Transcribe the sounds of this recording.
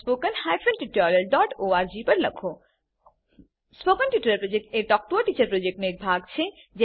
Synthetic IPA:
spoːkənhajfʰənʈiʈɔːləɾɖɔːʈoːaːɾd͡ʒipɐɾlɐ̰kʰoː | spoːkənʈiʈːləɾpɾod͡ʒek̚ʈeʈɔːk̚ʈoaʈiːt͡ʃəɾpɾod͡ʒek̚ʈneeːk̚bʱaːɡt͡ʃʰe | d͡ʒe

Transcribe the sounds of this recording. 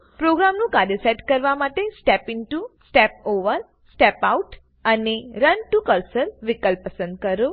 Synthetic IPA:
pɾoɡɾamnũkaɾjəseʈkəɾʋamaʈesʈɛpɪnʈusʈɛp̚oʋəɾ | sʈɛpauʈ | əneɾənʈukəɾsəlʋikəlpːəsə̃nd̪̚kəɾo

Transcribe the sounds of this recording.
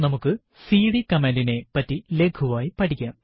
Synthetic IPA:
nɐmukːɨ | siːɽikɐmeːndine̞pɐtːile̞kʰuʋaːjipɐʈʰikʲːaːm

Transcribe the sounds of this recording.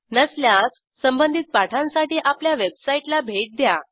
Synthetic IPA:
nəsljasːəmbənd̪ʱiːt̪̚paʈʰãnsaʈiːʔapljaʋebsaiʈlabʱeʈ̚d̪ja

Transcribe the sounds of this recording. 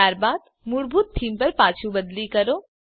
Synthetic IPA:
aːɾbaːd̪ | mʊɽbʱut̪tʰːiːmpɐɾpaːt͡ʃʰũbəd̪likɐɾoː

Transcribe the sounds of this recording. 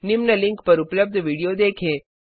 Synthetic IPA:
nɪmnɐlɪ̃ŋkpɐɾʊpləb̚d̪ʱʋiːɽijoːd̪eːkʰẽː

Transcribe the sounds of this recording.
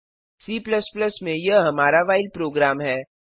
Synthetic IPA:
siːpləspləsmẽjɐɦɐmaːɾaʋaːɪlpɾoːɡɾaːmɦɛː

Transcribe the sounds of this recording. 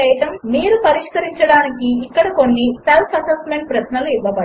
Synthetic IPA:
ɐjɐt̪ɐmmiːɾupɐɾiʂkɐɾiɲt͡ʃɐɽaːnikiːkːɐɽɐkonːiselpʰɐsɐsme̞ɳʈ̚pɾɐʃnɐluiʋːɐbɐ

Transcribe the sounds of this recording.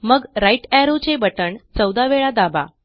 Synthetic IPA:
məɡɾajʈæɾot͡ɕebəʈəɳt͡səwd̪aʋeɭad̪aba̰

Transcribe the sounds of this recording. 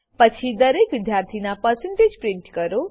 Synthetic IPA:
pət͡ʃʰid̪əɾeːkʋɪd̪jaːɾt̪ʰinapəɾsə̃ɳʈeːd͡ʒpɾɪɳʈkəɾo

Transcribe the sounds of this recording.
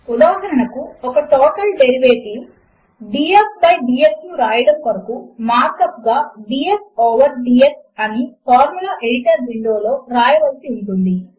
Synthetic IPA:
ud̪aːd̪ɐɾɐnɐkuɔkɐʈɔːʈɐlɖeɾiʋeːʈiw | ɖiːepsbɐjɖiːjeksnuɾaːjɐɽɐmkɐɾɐkumaːɾkɐpɡaːɖiːepoːʋɐɾɖieksɐnipʰaːɾmulaʔeɽiʈɐɾʋiɳɖoːlo̞ːɾaːjɐʋɐlsiuɳʈund̪i

